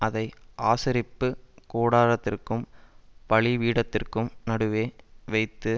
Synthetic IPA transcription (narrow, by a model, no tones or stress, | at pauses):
ʔɐðɐɪʔaːsɐɾɪpːɯkoːɽaːɾɐt̪ːɪrkɯmpɐɭɪʋiːɽɐt̪ːɪrkɯmnɐɽɯʋeːʋɐɪt̪ːɯ